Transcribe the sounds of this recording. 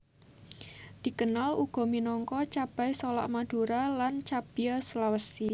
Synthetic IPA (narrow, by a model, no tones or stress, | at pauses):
d̪̥i̤kənaluɡ̥ɔ̤minɔŋkɔt͡ʃab̥ajsɔla̰ʔmad̪̥ṳɾalant͡ʃab̥ijasulawəsi